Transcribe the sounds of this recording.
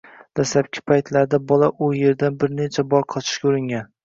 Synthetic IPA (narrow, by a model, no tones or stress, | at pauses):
d̪̥asap̚kʲʰɪ̥pʰajt̪ʰlaɾd̪abɒlˠaʔʊje̞ɾd̪anbɪɾnet͡ʃʰabɒɾqʰɒt͡ʃ̪ʰɪ̥ʃkʲauɾɪŋʲan